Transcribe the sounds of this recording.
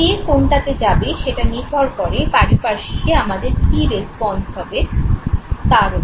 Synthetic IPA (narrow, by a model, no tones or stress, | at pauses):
ekonʈak̪ed͡ʑabeʃeʈanid̪ʱɔɾkɔɾepaɾipaʃieamad̪eɾkiɾespɔnsɦɔbe | t̪aɾo